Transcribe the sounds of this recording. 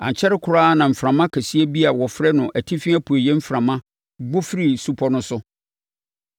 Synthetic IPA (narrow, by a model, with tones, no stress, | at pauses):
ã̰˨ɲ˨t͡ɕʰɛ˦ɾɪ˦kʰʊ˨ɾaː˦nã˨m̩˨fɾã˨mã˦kʰæ˨si˦æ˦bi˦a˨wɔ˨fɾɛ˦nʊ̃˨ʔæ˨tʰi˦fɪ̃˦æ˦pʰu˨e˨jɛ˦m̩˦fɾã˨mã˦ | ɡ͡bʊ˦fɪ˦ɾi˨su˦pʰɔ˨˦nʊ̃˦sʊ˦